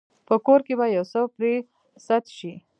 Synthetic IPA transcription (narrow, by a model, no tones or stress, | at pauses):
pəkoɾkebajawsəpɾe | sat̪ʃi